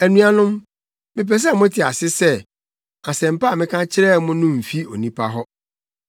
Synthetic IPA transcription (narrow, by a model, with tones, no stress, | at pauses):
æ˨nũ˦a˨nʊ̃˦m | mɪ̃˨p̬ɛ˨s̬ɛ˦˨mʊ̃˦tʰɪ˨a˨sɪ˦sɛ˦ | a˨sɛ̃˨m̩˨pa˦a˨mɪ̃˦kʰã˦t͡ɕʰɪ˦ɾɛ˦mʊ̃˦nʊ̃˦m̩˨fi˦o̰˨nĩ˦pʰa˦ɦɔ˦